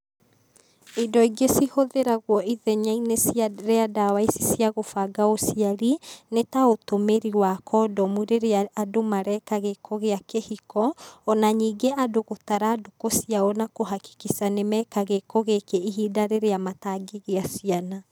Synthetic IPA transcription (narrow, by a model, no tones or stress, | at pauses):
idɔiɡesihoðeɾaɣwɔʔiðɛɲainesjɾeadawaisi̥sjaɣofaɡaosiaɾinetaotomeɾiwakʰɔːdɔmuɾeɾeadomaɾɛkaɣekʰɔɣeakehikɔːnaɲiːɡeʔadoɣotaɾadokosiaɔnakoɦaki̥kisanemɛkaɣekɔɣekeiɦidaɾeɾeamataɡeɣeasiana